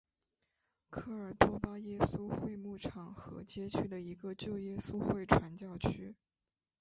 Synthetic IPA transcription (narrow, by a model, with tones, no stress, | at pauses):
kʰɤ˥˩ə˞˨˩t̪wɔ˥pa˥jɛ˥su˥xwe˥˧ɪmu˥˩ʈ͡ʂʰɑ˨˩ŋxɤ̰˧˥t͡ɕjɛ˥t͡ɕʰy˥˩d̪ə˩i˧˥ɡə˧t͡ɕjo˥˩ʊjɛ˥su˥xwe˥˩ɪʈ͡ʂʰwa˧˥nt͡ɕjɑ˥˩ʊt͡ɕʰy˥